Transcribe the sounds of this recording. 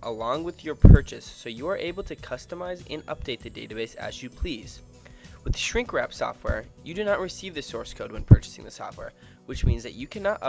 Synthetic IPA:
ʔəlɔ̃ŋwɨðjə˞pʰɜ˞t͡ʃɨsːoʊjɨə˞ʔeɪbl̩ˠtʰɨkʰʌstəmaɪzɨ̃nʌ̰p̚d̥eɪt̪̚ðɨdeɪɾɨbeɪsɨ̰zjɨpʰl̥iz̥ | wɨð̥ɨʃɹɪ̃ŋkɹæ̰psɔ̰ft̚wɛ̰ɹjɨdɨnəʔ̚ɹɨsivðɨsɔɹskʰoʊd̚wɨ̃npʰɜ˞t͡ʃɨ̥sɪ̰̃ŋðɨsɔ̰ft̚wɛ̰ɹ | wɨt͡ʃmĩnzðɨ̰t͡ʃɨkʰænəɾʌ̰

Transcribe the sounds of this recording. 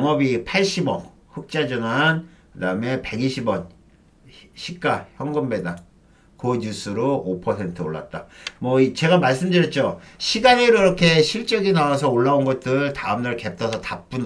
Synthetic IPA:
ŋʌbipʰaɭɕ͈ibʌ | ɸɯk̚t͡ɕ͈ad͡ʑʌnan | kɯdaɯme̞pe̞ɡiɕʰibʌn | ɕʰik̚k͈açjʌŋɡʌmbe̞da | koɲjus͈ɯɾoopʰʌsʰe̞ntʰɯoɭːa̰t̚t͈amʌit͡ɕe̞ɡamaɭs̬͈ɯmdɯɾjʌt̚t͡ɕ͈oɕʰiɡaneɾoiɾʌkʰe̞ɕʰiɭt͡ɕ͈ʌɡinawasʰʌoɭːaunɡʌt̚t͈ɯɭtaɯmdaɭke̞p̚t͈ʰʌsʰʌtap͈un

